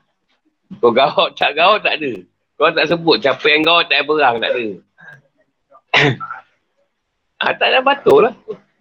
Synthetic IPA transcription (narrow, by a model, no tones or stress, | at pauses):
koɡaɔʔt̪aʔɡaɔʔt̪a̰ʔdə | koat̪aʔsəbʊt̪̚t͡ʃapəjaŋɡaot̪ajapəɾaŋt̪a̰ʔdə | ʔa̰t̪aʔdaʔbat̪olah